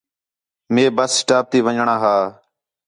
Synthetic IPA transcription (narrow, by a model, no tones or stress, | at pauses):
meːbəsːʈaːp̚t̪iːʋəɲɳãːɦaː